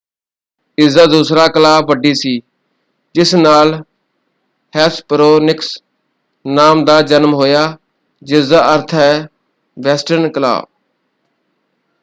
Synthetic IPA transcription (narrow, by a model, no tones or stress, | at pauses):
ɪzaːd̪uːsɾaːkəlaːbʋəɖiːsiː | d͡ʒɪsnaːl | hɛːspɾoːnɪks | naːmd̪aːd͡ʒənmɦoːjaː | d͡ʒɪzaːʔəɾt̪ʰɦɛː | ʋɛːsʈəɾnkəla̰ːb̚